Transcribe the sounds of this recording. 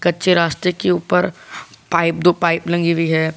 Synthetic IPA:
kɐtːʃʰeɾaːst̪ɾekeuːpəɾpaːɪp̚d̪oːpaːɪplɐ̃ŋɡibʱiɦɛː

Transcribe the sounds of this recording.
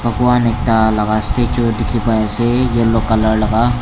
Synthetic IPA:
bɐkuanek̚t̪alɐɡast̪et͡ʃod̪ɪkʰipaesejelokɐləɾlɐɡa

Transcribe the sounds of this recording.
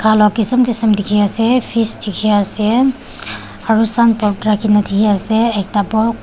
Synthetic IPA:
kʰalɔkisəmkisəmdikʰiasɛpʰistikʰiase | aɹusanpɔtɾakinatʰikʰiasɛɛk̚tabɔk̚

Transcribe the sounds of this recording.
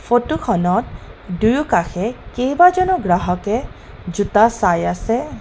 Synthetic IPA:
fʰotukʰɔnɔt̚dujukaxʰɛkejbazɔnɔɡɹaɦɔkɛ | zutasajasɛ

